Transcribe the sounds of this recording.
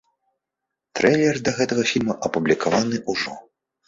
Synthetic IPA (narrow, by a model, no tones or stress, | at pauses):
t̪ɾɛjlʲɛrd̪ɐɣɛt̪ɐɣɐfʲilʲmɐʔɐpublʲikavanɨʔuʐɔ̰